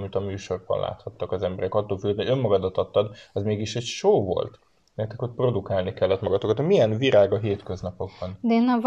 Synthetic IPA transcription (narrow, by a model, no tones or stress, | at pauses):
mit̪ɒmyːʃo̞rbɒ̰nlʔa̰ːt̪hɒt̪ːɒkɒzɛmbɛɾɛkɒt̪ːoːlfylød̪niømːɒɡɒd̪ɒt̪ɒt̪ːɒd̪ɛzmeːɡiʃɛcʃoːvo̞̰lt̪ | nɛt̪ːɛkot̪̚pro̞d̪ukaːlnikɛlːɛt̪mɒɡɒt̪okɒt̪omijɛnviɾaːɡɒɦeːt̪kø̞znɒpo̞ɡ̚bɒnd̪ɛeːnːɛv